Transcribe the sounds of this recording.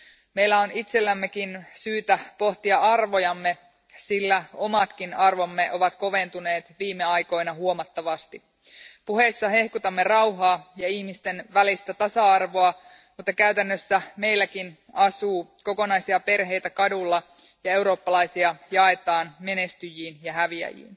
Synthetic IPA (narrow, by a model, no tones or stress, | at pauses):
me̞jlːæo̞nit̪se̞lːæmːe̞kinsyːt̪æpo̞ht̪iɑʔɑrʋo̞jɑmːe̞ | silːæo̞mɑt̪kinɑrʋo̞mːe̞ʔo̞ʋɑt̪ko̞ʋe̞nt̪une̞ːt̪ʋiːmːeɑjko̞jnɑɦuo̞mɑt̪ːɑʋɑst̪i | puɦe̞sːɑɦe̞hkut̪ɑmːe̞rɑwɦɑːjɑihmist̪e̞nʋælist̪æt̪ɑsɑɑrʋo̞ɑ | mut̪ːɑkæyt̪ænːøsːæme̞jlːækin | ɑsuːko̞ko̞nɑjsiɑpe̞rɦe̞jt̪ækɑdulːɑ | jɑe̞wɾo̞ːpːɑlɑjsiɑjɑe̞t̪ɑːnme̞ne̞st̪yjiːnjɑɦæʋiæ̰jḭːn